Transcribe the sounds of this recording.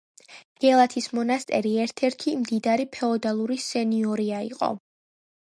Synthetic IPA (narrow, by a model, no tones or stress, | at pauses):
ɡ̥ɛlˠat̪ʰismɔnast̪ʼɛɾiɛɾt̪ʰɛɾt̪ʰimd̪id̪aɾipʰɛɔd̪alˠuɾisɛniɔɾiaḭqʼɔ̰